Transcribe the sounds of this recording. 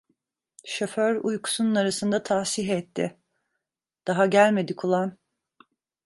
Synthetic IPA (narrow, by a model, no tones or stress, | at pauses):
ʃoføɾujkʰu̥sununaɾasɯnd̪at̪ʰaːsiɦɛt̪ʰːɪ̰ | d̪̥aɦaɟælʲme̞d̪ikʰulˠan